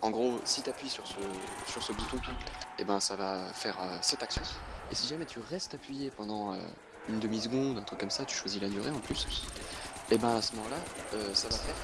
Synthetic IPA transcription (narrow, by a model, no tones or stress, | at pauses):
ɑ̃ɡʁosit̪apɥisyʁsəsyʁsəbut̪ɔ̃t̪uebɛ̃savafɛʁøsɛt̪aksjɔ̃esiʒamɛt̪ʰyʁɛst̪apɥijepɑ̃d̪ɑ̃ø̰ | ynd̪əmis̬əɡɔ̃d̪ɛ̃t̪χykːɔmsat̪y̥ʃwazilad̪yʁeɑ̃plys | ebɛ̃asəmɔmɑ̃laøsavafɛʁ